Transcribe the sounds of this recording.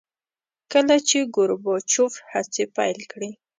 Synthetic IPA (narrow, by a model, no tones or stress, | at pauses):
kəlat͡ʃeɡʊɾbɔt͡ʃofhat͡sepa̰jlkɽi